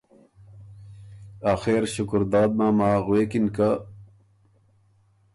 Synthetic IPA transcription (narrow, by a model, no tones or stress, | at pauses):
aːxeːɾɕukɾd̪aːd̪̚maːmaːɣweːkinka